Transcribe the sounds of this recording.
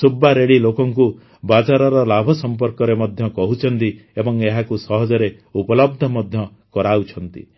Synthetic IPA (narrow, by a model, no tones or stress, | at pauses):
subːaɾeɽilokɔŋku | bad͡ʒaɾɔɾɔlabʱɔsɔmp̬ɔɾkɔɾemɔd̪ʱjɔkɔɦut͡ʃʰɔnt̪i | ebɔŋeɦakusɔɦɔd͡ʒɔɾe | upɔlɔb̚d̪ʱɔmɔd̪ʱjɔ | kɔɾaut͡ʃʰɔnt̪ḭ